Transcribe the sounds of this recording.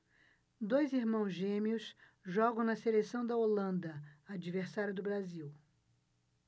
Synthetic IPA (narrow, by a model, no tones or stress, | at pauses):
d̪ojziɾmɐ̃w̃zʒẽmiʊs | ʒɔɡɐ̃w̃nɐselesɐ̃w̃d̪ɐolɐ̃nd̪ɐad͡ʒiveɾsaɾjʊd̪ʊbɾaziw